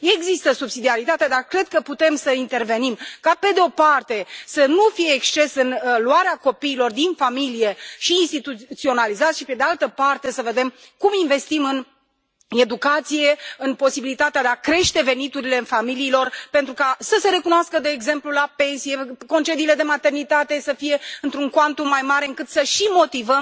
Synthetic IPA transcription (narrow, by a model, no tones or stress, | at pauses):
eɡzist̪əsubsid̪iaɾit̪at̪eead̪arkɾe̞d̪̚kəput̪e̞msəint̪e̞rve̞nimkape̞d̪eo̞part̪e̞sənufijeːkst͡ʃe̞sɨnluaɾeako̞piːlo̞rd̪infamilije̞ʃiːnst̪it̪ut̪sio̞nalizat̪sʃipe̞d̪ealt̪əpart̪e̞səve̞d̪e̞m | kuminve̞st̪imɨn | e̞d̪ukat̪sije̞ɨnpo̞sibilit̪at̪ead̪eakɾe̞ʃt̪e̞ve̞nit̪uɾile̞ɨnfamiliːlo̞rpent̪ɾukasəse̞ɾe̞kunoaskəd̪e̞ːɡze̞mplulape̞nsije̞ko̞nt͡ʃe̞d̪iːle̞d̪e̞mat̪e̞rnit̪at̪e̞səfije̞ɨnt̪ɾuŋkoant̪umajmaɾe̞ɨŋkɨt̪səʃimo̞t̪ivəm